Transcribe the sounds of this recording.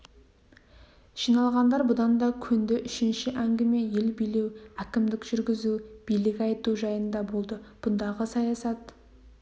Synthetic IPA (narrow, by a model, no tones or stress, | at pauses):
ʒ̥ijnɑlˠʁɑnd̪ɑɾbʊd̪ɑnd̪ɑkʲʰʏnd̪ɪʔʏʃɪnʃɪʔæŋɡʲɪme̞je̞lbijlewækʲɪmd̪ɪkʒ̥ʏɾɡʲɪzub̥ijlɪkʲɑjt̪uʒɑjənd̪ɑbo̞lˠd̪əb̥ʊnd̪ɑʁəsɑjɑsɑt̪